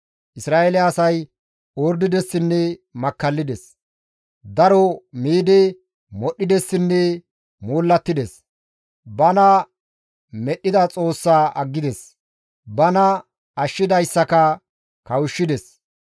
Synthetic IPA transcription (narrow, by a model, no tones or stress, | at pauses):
ʔɪsɾaːelɛɐsɐj | oːɾd̪ɪd̪ɛsːɪnːɛmɐkːɐlːɪd̪ɛs | d̪ɐɾɔmiːd̪ɛ | mɔɗːɪd̪ɛsːɪnːɛ | moːlːɐt̪ːɪd̪ɛs | bɐnɐ | mɛɗːɪd̪ɐt͡sʼo̞ːsːaːʔɐɡːɪd̪ɛs | bɐnɐ | ɐʃːɪd̪ɐjsːɐkɐ | kɐwʊʃːɪd̪ɛs